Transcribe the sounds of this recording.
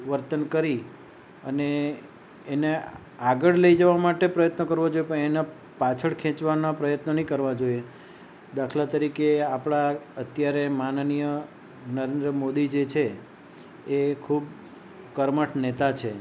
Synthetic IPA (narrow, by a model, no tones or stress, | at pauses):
ʋəɾt̪ənkəɾi | əneː | ne | aɡəɭləid͡ʒəʋamaʈepɾəjət̪nəkəɾʋod͡ʒojepə̃ɳena | pat͡ʃʰəɽkʰɛ̃t͡ʃʋanapɾəjət̪nənĩkəɾʋad͡ʒoje | d̪akʰlat̪əɾikeapɽ̃aət̪jaɾemanənijə | nəɾẽnd̪ɾəmod̪id͡ʒet͡ʃʰeː | kʰub | kəɾməʈʰnet̪at͡ʃʰe